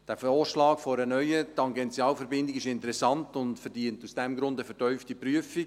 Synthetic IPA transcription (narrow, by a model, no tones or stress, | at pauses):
d̥æːfɔːʃlɑːɡfɔɾənœʏətɑŋɡɛnt͡sjɑːlfɛɾbɪndɪɡɪʃɪntəɾɛsɑntʊndfɛrdiəntusd̥ɛmɡɾʊndəfɛtœʏftipryəfi